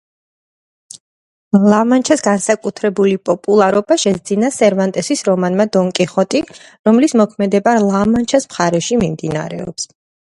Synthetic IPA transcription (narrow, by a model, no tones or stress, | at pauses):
lˠamant͡ʃʰasɡansakʼut̪ʰɾɛbulipʼɔpʼulˠaɾɔbaʃɛzd̪zinasɛɾvant̪ʼɛsisɾɔmanmad̪ɔŋkʼiχɔt̪ʼi | ɾɔmlismɔkʰmɛd̪ɛbalˠamant͡ʃʰasmχaɾɛʃimimd̪ina̰ɾɛ̰ɔ̰ps